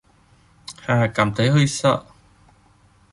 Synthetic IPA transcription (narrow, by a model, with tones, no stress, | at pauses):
haː˨˩kaː˨˩mt̪ʰə˨˦jɦə˧jsa̰˧ʔ